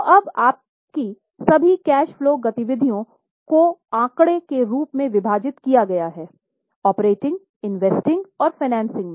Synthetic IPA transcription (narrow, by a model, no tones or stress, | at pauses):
ɐbaːp̚ | ki | sɐbʱikɛːʃfloːɡɐt̪ɪʋɪd̪ʱijõ | koãːkɽekeɾuːpmẽʋɪbʱaːd͡ʒɪt̪kijaɡɐjaɦɛː | ɔːpɾeːʈɪ̃ŋɡ | ɪnʋeːsʈɪ̃ŋɡɔːɾfaɪnɛ̃ːnsɪ̃ŋɡmẽː